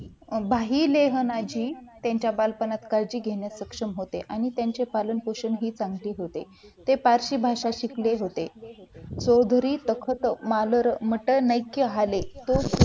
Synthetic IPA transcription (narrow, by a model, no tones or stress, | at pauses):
bʱaɦiːleɦənad͡ʑiːt̪jaɲt͡ɕjabalpənat̪kaɾd͡ʑiːɡʱeɳjasəkʂəmɦot̪eʔañit̪jaɲt͡ɕepalənpoɕənɦiːt͡sãŋɡliːɦot̪ḛ | t̪epaɾɕiːbʱaʂaɕikleɦot̪e | t͡sod̪ʱɾiːt̪əkʰət̪maləɾm̤əʈənəjkːjəɦalet̪o